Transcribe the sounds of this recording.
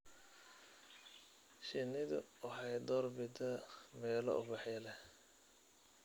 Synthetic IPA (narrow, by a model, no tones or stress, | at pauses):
ʃɪnɪðʊ̰wɑħɑjd̪ɔːrbɪd̪ɐmɛːlɔ̰ʔʊ̰bɑħjɐlɛh